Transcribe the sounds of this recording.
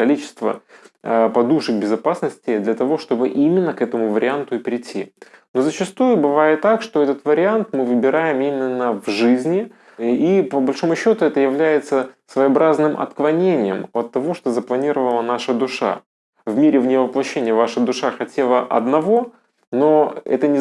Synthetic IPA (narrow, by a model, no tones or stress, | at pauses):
kɐlʲit͡ɕɪ̥st̪və̰ | pɐd̪uʂɨk̚bʲɪzɐpasnəsʲtʲɪd̪lʲɐt̪ɐvo̞ʂt̪o̞bɨʔimʲɪnːəkɛt̪əmʊvəɾʲɪant̪ʊɪpʲɪɾʲɪtʲʰːino̞zət͡ɕɪst̪ujʊbɨvajɪt̪ːakʂt̪o̞ɛt̪ət̪vəɾʲɪant̪mɨvɨbʲɪɾajɪmimʲɪnːəvʐɨzʲnʲɪ | ipəbɐlʲʂo̞mʊɕːo̞t̪ʊɛt̪əjɪvlʲæjɪt̪səsvəjɐbɾaznɨmʔɐ̰t̪klˠɐnʲenʲɪjəmɐt̪ːɐvo̞ʂt̪o̞zəplˠɐnʲiɾəvəlˠənaʂəd̪ʊʂa̰ | vmʲeɾʲɪvnʲɪvəplˠɐɕːenʲɪjəvaʂəd̪ʊʂaxɐtʲelˠəʔɐ̰d̪nɐvo̞ | no̞ɛ̰t̪ənʲɪ